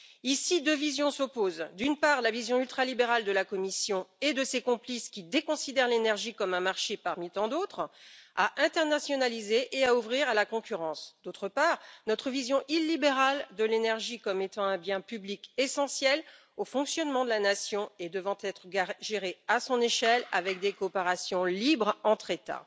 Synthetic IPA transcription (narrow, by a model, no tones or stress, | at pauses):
isid̪øvizjɔ̃sɔpozd̪ynpaʁlavizjɔ̃ylt̪χalibeʁald̪əlakɔmisjɔ̃ed̪əsekɔ̃pliskʲid̪ekɔ̃sid̪ɛʁlenɛʁʒikɔmɛ̃maʁʃepaʁmit̪ɑ̃d̪ot̪χa̰ʔɛ̃t̪ɛʁnasjɔnalizeʔeauvʁiʁalakɔ̃kʲyʁɑ̃sd̪̥ot̪χəpaːʁnɔt̪χəvizjɔ̃ʔilːibeʁald̪əlenɛʁʒikɔmet̪ɑ̃ɛ̃bjɛ̃pyblikesɑ̃sjɛl | ofɔ̃ksjɔnmɑ̃d̪əlanasjɔ̃ed̪əvɑ̃t̪ɛt̪χəɡʒeʁeasɔ̃neʃɛla̰vɛk̚d̪ekopeʁasjɔ̃libʁɑ̃t̪χet̪a̰